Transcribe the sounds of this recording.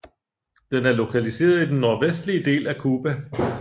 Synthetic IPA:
d̥enæɐlo̝kʰælise̝̰ːɐð̞ˠid̥enːo̝ɐʋesd̥liəd̥e̝̰ːlækʰuːb̥æ

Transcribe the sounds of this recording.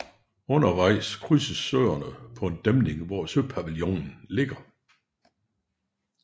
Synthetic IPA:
ɔ̽nɐʋɑ̈ɪ̰skʰʁysəsø̰ːɐnəpʰɒ̽e̝nd̥emne̝ŋʋɒsøpʰæʋiljo̰nn̩le̝ɡ̥ɐ

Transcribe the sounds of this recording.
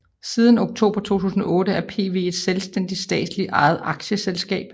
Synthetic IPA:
siːð̞ˠən̩o̝ɡ̥̚t͡sʰo̝̰ːb̥ʁɐt͡sʰo̝̰ːt͡sʰṵːsn̩ɒ̽ʔɔ̽ːɾəæɐpʰe̝̰ːʋe̝̰e̝d̥selsd̥en̰d̥i̥sd̥ɛ̰ːd̥sli̥ʔɑ̈ɪð̩ˠɑ̈ɡ̥ɕəselsɡ̥ɛ̰ːb̥

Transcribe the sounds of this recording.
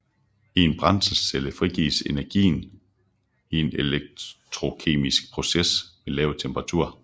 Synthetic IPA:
ie̝nb̥ʁɑ̈nsəsseləfʁiɡ̥ḭːse̝næɐɡ̥ḭːn | ie̝neleɡ̥̚t͡sʰʁo̝kʰe̝̰ːmisɡ̥̚pʰʁo̝sesʋe̝lɛːʊt͡sʰemb̥ʁɑ̈t͡sʰuɐ̰

